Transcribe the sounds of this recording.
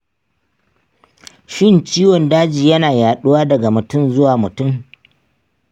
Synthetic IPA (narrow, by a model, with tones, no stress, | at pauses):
ʃɪ˦nt͡ʃiː˦wɔ˨ndaː˦d͡ʒiː˨jɐ˦naː˨jaː˨ɗʊ˦waː˦dɐ˨ɡa˨mʊ˨tʊ˦mzʊ˦waː˨mʊ˨tʊ˦˨m